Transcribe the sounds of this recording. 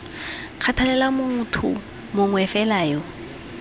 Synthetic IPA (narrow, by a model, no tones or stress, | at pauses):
q͡χʰatʰalɛlamʊŋ̩tʰʊ̰ | mʊŋwɛfɛlaːjɔ